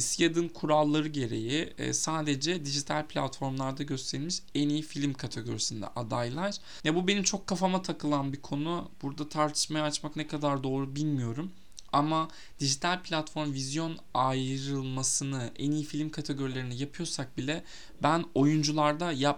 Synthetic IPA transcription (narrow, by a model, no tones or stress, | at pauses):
sijad̪ɯnkʰuɾalˠːaɾɯɟe̞ɾe̞̰jɪ̰saːd̪e̞d͡ʒɛd̪iʒit̪ʰalʲpʰlʲa̰t̪fo̞ɾmlˠaɾd̪aɟø̞st̪ʰe̞ɾilʲmiʃɛnijifilʲmkʰat̪ʰeɡo̞̰ɾisind̪ɛ̰ʔad̪ajlˠajɾ̥ | jɛbube̞nimt͡ʃʰo̞kʰːafamat̪ʰakɯlˠanbikʰo̞nub̥uɾd̪at̪ʰaɾt̪ʰɯ̥ʃmajaːt͡ʃmaknɛkʰad̪aɾd̪o̞ːɾubilʲmijo̞ɾum | ama | d̪̥iʒit̪ʰalʲpʰlʲat̪fo̞ɾmvizjo̞najɾɯlˠmasɯnɯʔɛnijifilʲimkʰat̪ʰeɡo̞ɾilʲe̞ɾinijapʰɯjo̞ɾsak̚bilʲɛ | bæno̞jund͡ʒulˠaɾd̪ajap